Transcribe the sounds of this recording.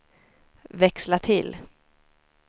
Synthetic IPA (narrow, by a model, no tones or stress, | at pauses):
vɛkslat̪ʰɪ̰lː